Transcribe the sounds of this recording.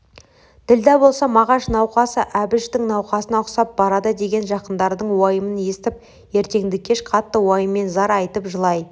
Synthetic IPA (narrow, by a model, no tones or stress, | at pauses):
d̪̥ɪld̪æbo̞lˠsɑmɑʁɑʃnɑwqɑsəʔæbɪʃt̪ɪŋnɑwqɑsənɑqsɑp̚bɑɾɑd̪əd̪e̞ɡʲe̞nʒɑqənd̪ɑɾd̪əɴwɑjəmənje̞st̪ɪp̚ | je̞ɾt̪e̞ŋd̪ɪkʲʰeʃqʰɑt̪ːəwɑjəmːe̞nzɑɾɑjt̪əpʒəlˠɑj